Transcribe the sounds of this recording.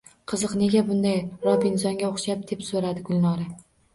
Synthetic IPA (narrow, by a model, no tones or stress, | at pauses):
qʰɨzɨqne̞ɡʲabʊnd̪ajɾɒbɪnsɒŋɡʲaoχʃap̚d̪̥e̞psoɾad̪ɪɡʊlˠnɒɾa